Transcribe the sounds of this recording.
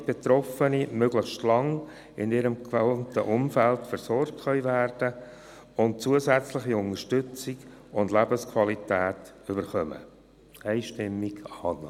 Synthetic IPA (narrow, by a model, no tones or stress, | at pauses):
b̥et̪ɾɔfənimøɡlɪχʃtlɑŋ | ɪnɪːɾəmkvɛntəʔʊmfæltfəɾsɔɾk̚tχœʏvæɾd̥ə | ʊnt̚t͡suəsæt͡slɪχiʊnəʃtʏt͡siɡ | ʊndlæbəskʰwɑlitæːt | ʏbəɾχœmə̰ | æɪʃtɪmːiɡ̥ɑːn